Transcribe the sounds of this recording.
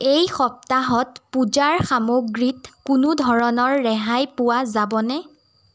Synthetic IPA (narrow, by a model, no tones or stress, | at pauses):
ejxɔp̚taɦɔtpud͡ʒaɹxamoɡɹitkʊnʊdʱɔɹɔnɔɹːɛɦajpʊwazabɔnɛ